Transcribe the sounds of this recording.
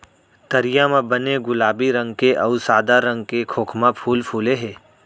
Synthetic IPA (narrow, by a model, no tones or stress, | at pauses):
t̪ɐɾɪjamãbəneɡʊlaːbiɾɐ̃ŋɡkeʔɐʊsaːd̪aɾɐ̃ŋɡ̚kekʰoːkʰmapʰuːlpʰuːleɦɛː